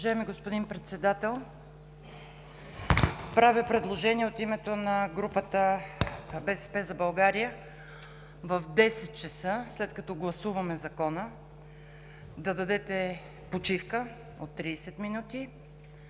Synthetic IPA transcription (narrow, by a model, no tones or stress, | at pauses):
oʒajɛmiɡospod̪inpɾɛt̪sɛd̪at̪ɛlˠ | pɾavipɾɛd̪lˠoʒɛniɛot̪imɛt̪onɐɡɾupət̪ə | bɛsɛ̥pɛzɐbɐlˠɡaɾijə | vɐvd̪ɛsɛt̪̚t͡ʃɐsəslɛt̪kɐt̪ɔɡlˠɐsuvɐmɛzɐkɔnə | d̪ɐd̪ɐd̪ɛt̪ɛ | pot͡ʃifkə | ot̪ːɾisɛt̪minut̪i